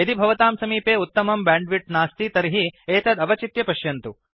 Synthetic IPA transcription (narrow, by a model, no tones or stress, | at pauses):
ɐd̪ibʱɐʋɐt̪aːmsɐmiːpeːut̪ːɐmɐmbaːɳɖʋiʈnaːst̪it̪ɐɾiɦieːt̪ʰɐd̪ɐbɐt͡ʃit̪jɐpɐʃjɐnt̪u